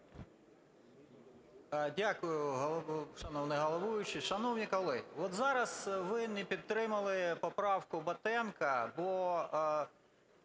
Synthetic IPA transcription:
dʲakʊjʊɦˠʃɐnɔwnɛɦɔlˠɔʋujʊt͡ʃɪʃɐnɔwnʲikɔlˠɪɔt̪zɑɾɐsʋɪnɛpʲid̪̚t̪ːɾɪmɐlˠɪpɔpɾɑwkʊbɐt̪ɛmkɐbɔ

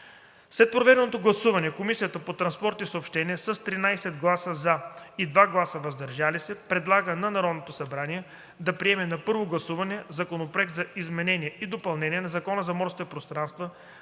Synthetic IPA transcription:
slɛt̪̚pɾovɛd̪ɛnot̪oɡlˠɐsuvɐnɛkomisijət̪əpot̪ɾɐnspɔɾt̪isoopʃt̪ɛniɛsəst̪ɾinajsɛd̪ɡlˠasəzaid̪vaɡlˠasəvɐzd̪ɐɾʒalisɛpɾɛd̪lˠaɡənɐnɐɾɔd̪not̪osɐbɾaniɛ | d̪ɐpɾiɛmɛnɐpɤɾvoɡlˠɐsuvɐnɛzɐkonopɾoɛk̚t̪zɐizmɛnɛnʲiɛid̪opɐlˠnɛnʲiɛnɐzɐkɔnəzɐmɔɾskit̪ɛpɾost̪ɾanst̪və

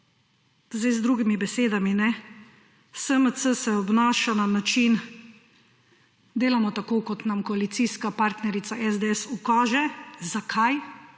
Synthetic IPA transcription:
zd̪ajzd̪ɾuːɡimibɛseːd̪aminɛ | səməsəsɛɔbnaːʃananat͡ʃin | d̪eːlamɔt̪akoːkɔt̪namkɔalit̪siːskapaɾt̪nɛɾit̪aʔɛzd̪eɛsukaːʒɛzakʰaj

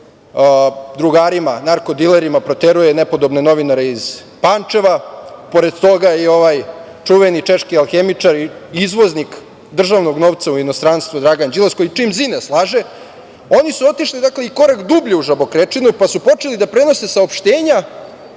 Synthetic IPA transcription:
d̪ɾuɡaːɾimanaɾko̞d̪ileɾimapɾot̪eɾujenepo̞d̪o̞bne̞no̞ʋinaɾeiz̥ | pant͡ʂe̞ʋapo̞ɾe̞d̪t̪o̞ɡaio̞ʋaj | t͡ʂuʋenit͡ʃeʃkialˠxemit͡ʂaɾiizʋo̞znik | d̪r̩ʒaʋno̞ɡno̞ʋt̪sauinost̪ɾanst̪ʋud̪ɾaɡand͡ʒilaskojit͡ʂimzineslˠaʒe | o̞nisuo̞t̪iʃlid̪akle̞iko̞ɾakd̪ubʎuuʒabo̞kɾet͡ʂinupasupo̞t͡ʂelid̪apɾe̞no̞se̞saopʃt̪eːɲa

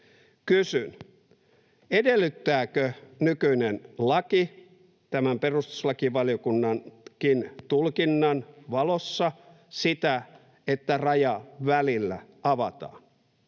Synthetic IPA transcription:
kysyn | edelːˑyt̪ːæːkønykyinenlɑki | t̪æmæmperust̪u̥slɑkiʋɑlijokunːɑnkint̪ulkinːɑnʋɑlosːɑ | sit̪æ | et̪ːærɑjɑʋælilːæ̰ | ɑʋɑt̪ɑ̰ːn

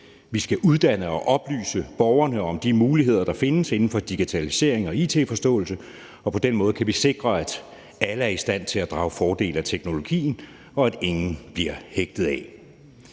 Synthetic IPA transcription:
ʋisɡ̥æʔuð̞ˠd̥æn̰əɒ̽ʔɒ̽b̥ly̰ːsəb̥ɒʊɐnəɒ̽md̥imuːliɦe̝ð̞̰ˠɐd̥ɑ̈fe̝nəse̝n̩fɒ̽d̥iɡ̥it͡sʰælise̝̰ɐ̰eŋɒ̽iːt͡sʰe̝̰ːfɒ̽sd̥ɔ̰̽ːl̩sə | ɒ̽pʰɒ̽d̥enmɔ̽ːð̞̩ˠkʰæʋise̝ɡ̥ʁɐæd̥ | æləæɐisd̥æn̰t͡sʰe̝læd̥ʁɑ̈ʊfɒːd̥e̝̰ːlæt͡sʰeɡ̥no̝lo̝ɡ̥ḭːn̩ | ɒ̽æd̥e̝ŋn̩b̥liɐheɡ̥̚d̥ð̩ˠɛ

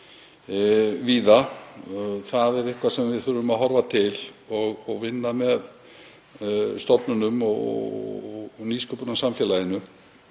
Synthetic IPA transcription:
viːða | θaðɛɾɪhkvasɛmvɪðθʏɾvʏmaðɦɔɾvat̪ʰɪlɔɣɔɣvɪnːamɛð | st̪ɔpnʏnʏmɔ̰ | niːskʰœpʏnasamfjɛlajɪnʏ

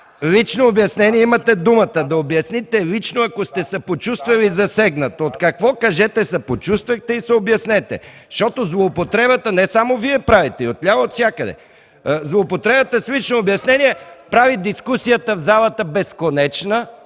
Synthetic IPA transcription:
lit͡ʃnoːbjɐsnɛniɛimɐt̪ɛd̪umɐt̪əd̪ɐobjɐsnit̪ɛlit͡ʃnoɐkost̪ɛsɐpot͡ʃust̪vɐlizɐsɛɡnɐt̪oot̪kɐkvɔkɐʒɛt̪ɛsɐpot͡ʃust̪vɐxt̪ɛisɛobjɐsnɛt̪ɛ̰ | ʃt̪ɔt̪ozlˠoːpot̪ɾɛbət̪ənɛsamoviɛpɾavit̪ɛiot̪lʲavɐot̪sʲjakəd̪ɛ̰ | zlˠoːpot̪ɾɛbət̪əslit͡ʃnoːbjɐsnɛniɛpɾavid̪iskusijət̪əvzalˠɐt̪əbɛskonɛt͡ʃnə

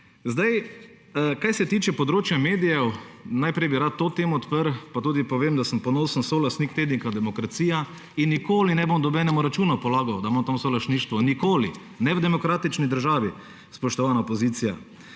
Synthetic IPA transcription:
zd̪aj | kajsɛt̪iːt͡ʃɛpɔd̪ɾoːt͡ʃjameːd̪ijɛwnajpɾɛjbiɾaːt̪ːoːt̪eːmɔːt̪pəɾpat̪uːd̪ipɔʋeːmd̪asəmpɔnoːsənsolast̪niːkt̪eːd̪nikad̪ɛmɔkɾat̪siːja | inːikoːlinɛbomd̪ɔbɛːnɛmuɾat͡ʃuːnɔpɔlaːɡɐwd̪amamt̪amsolɐst̪niʃt̪ʋɔnikoːlḭ | nɛwd̪ɛmɔkɾaːt̪it͡ʃnid̪əɾʒaːʋi | spɔʃt̪ɔʋaːnaɔpɔziːt̪sija

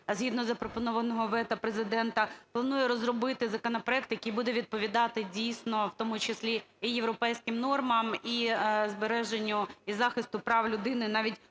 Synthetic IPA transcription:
zʲɦʲid̪nɔzɐpɾɔpɔnɔʋɐnɔɦɔʋɛt̪ɐpɾezɪd̪ɛnt̪ɐplˠɐnujɛɾɔzrɔbɪt̪ɪzɐkɔnɐpɾɔɛk̚t̪jɐkijbud̪ɛʋʲid̪̚pɔʋʲid̪ɑt̪ɪdʲijsʲnɔwt̪ɔmʊt͡ʃɪsʲlʲiijeʋɾɔpɛjsʲkɪmnɔrmɐmizbeɾɛʒenʲːʊizɑxɪst̪ʊpɾɑwlʲʊd̪ɪnɪnɑʋʲitʲ

